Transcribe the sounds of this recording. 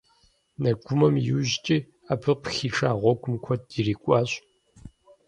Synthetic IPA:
nɐɡʷʊmɐmjuʑt͡ʃʼiː | abʰɨpxiːʈ͡ʂʰʼaːʁʷɔɡʷʊmkʷʰɔdiriːkʷʼɑːɕʼ

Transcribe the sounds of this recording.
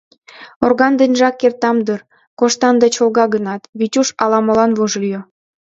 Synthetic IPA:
orɣɑnd̪ə̆nʲʒɑkːert̪ɑmd̪ər | koʃt̪ɑnd̪ɑt͡ɕolɣɑɡənɑt̪βitʲuʃɑlɑmə̆lɑnβoʒlyjo

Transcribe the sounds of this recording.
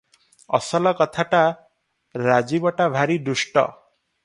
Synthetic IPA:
ɔ̰sɔlɔkɔt̪ʰaʈa | ɾad͡ʒibɔʈabʱaɾid̪usʈɔ̰

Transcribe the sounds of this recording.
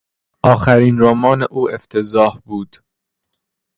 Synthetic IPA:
ʔɒːxæɾiːnɾoːmɒːneʔuːeft̪ʰezɒːhbuːd̪̥

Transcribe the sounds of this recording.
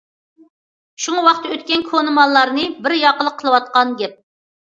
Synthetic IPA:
ʃuŋwɑqt̪əøt̪kʲɛnkʰonɨmɑlˠːɑɾnɨbɪɾjɑqəlˠəqʰːəlˠɨwɑt̪̚qɑnɡʲɛp̚

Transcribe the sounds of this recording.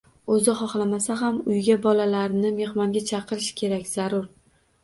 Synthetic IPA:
ɵzɪχɒχlˠamasaɦamʊjɡʲabɒlalaɾɪnɪme̞hmɒŋɡʲat͡ʃʰɑqʰɨɾɪʃkʲʰe̞ɾakʲz̥aɾʊɾ

